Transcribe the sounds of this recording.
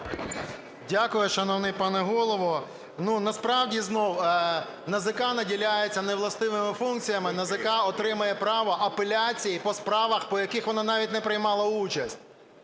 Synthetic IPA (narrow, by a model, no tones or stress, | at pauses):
dʲakʊjʊʃɐnɔʋnɪpɑnɛɦɔlˠɔʋɔ | nunɐspɾɑwdʲiznɔw | nɐzɪkanɐdʲilʲajet͡sʲːɐneʋlˠɐst̪ɪʋɪmɪfunk̚t͡sʲijɐmɪnɐzɪkɑɔt̪ɾɪmɐjɛpɾɑʋɔʔɐpelʲat͡sʲijipɔspɾɑʋɐxpɔjɐkɪxʋɔnɑnɑʋʲit̚ʲnɛpɾɪjmɑlˠɐut͡ʃɐsʲtʲ